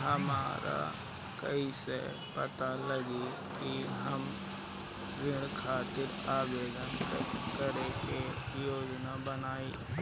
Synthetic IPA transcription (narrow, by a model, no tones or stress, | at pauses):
ɦəmaːɾʔa̰ | kə̰isḛ | pət̪aləɡi | kiɦəm | ɾɪ̃ɽkʰaːt̪ɪɾ | aːʋeːd̪ənkkəɾeke | joːd͡ʒnabənaːiː